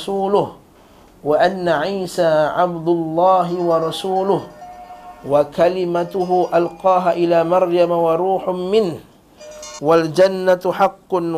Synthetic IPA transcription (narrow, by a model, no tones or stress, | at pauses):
suːlʊh | waʔanːaʕiːsaːʕabd̪ʊlˤːɑːɦɪwɑɾˤɑsuːlʊh | wakalɪmat̪ʊɦʊʔalqɑːɦaʔɪlaːmɑɾˤjamawɑɾˤuːħʊmɪnh | wald͡ʒanːat̪ħɑqːʊn